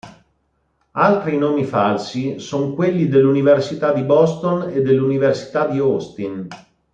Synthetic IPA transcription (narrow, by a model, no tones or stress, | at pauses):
alt̪ɾinoːmifalsisoŋkwelːid̪elːuniversit̪ad̪ibɔst̪oned̪ːelːuniversi̥t̪ad̪iɔst̪in